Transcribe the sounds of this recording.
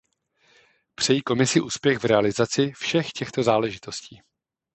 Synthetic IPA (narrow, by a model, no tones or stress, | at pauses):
pr̝̥ɛjiːko̞mɪsɪʔuːspjɛɣvɾɛalɪzat͡sɪfʃɛxcɛxt̪o̞zaːlɛʒɪt̪o̞sciː